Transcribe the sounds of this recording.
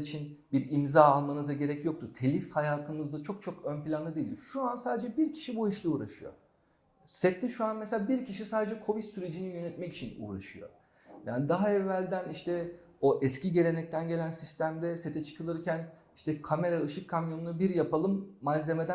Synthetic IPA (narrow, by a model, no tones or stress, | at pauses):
it͡ʃʰin | biɾimzaːalˠmanɯzaɟe̞ɾɛcjo̞k̚t̪ʰut̪ʰe̞lʲifhajaːt̪ʰɯmɯzd̪at͡ʃʰo̞k̚t͡ʃʰo̞kønpilʲanɯd̪ejilʲʃuansaːd̪ed͡ʒɛbiɾcʰi̥ʃibuiʃlʲiuːɾaʃɯjo̞̰ | sɛt̪ːʲiʃuanmeseaːbiɾcʰiʃisaːd̪ed͡ʒɛkʰo̞vit̪syɾe̞d͡ʒinijø̞nɛt̪mɛci̥t͡ʃʰinṵːɾa̰ʃɯjo̞̰ | ja̰ːnid̪aɦaɛvːælʲd̪æniʃt̪ʰɛ | o̞ʔɛsciɟe̞lʲe̞nɛc̚t̪ʰænɟe̞lʲænsist̪ʰæmd̪ɛse̞t̪ʰɛt͡ʃʰɯ̥kʰɯlˠɯɾcʰæn | iʃt̪ɛkʰame̞ɾaɯʃɯkʰːamjo̞nunabiɾjapalˠɯmːaze̞me̞d̪æ